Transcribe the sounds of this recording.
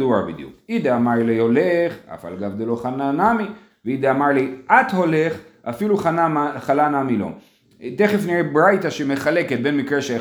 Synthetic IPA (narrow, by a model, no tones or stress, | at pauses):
duabḭd̪jṵkid̪aamaʁlio̞leχa̰fa̰lɡavd̪elo̞χananami | veid̪eamaʁliʔat̪ho̞le̞χafiluχanamaχalanamilo̞̰ | t̪eχefniebʁajt̪aʃeme̞χaleket̪̚bemikʁeʃe